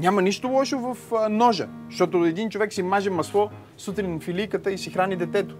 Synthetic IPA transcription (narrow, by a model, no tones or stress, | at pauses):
nʲamɐniʃt̪olˠɔʃovɐfnɔʒə̰ | ʃt̪ɔt̪oɛd̪int͡ʃovɛksimaʒɛmɐslˠɔ | sut̪ɾinfilʲijkət̪əisixɾanid̪ɛt̪ɛt̪o̥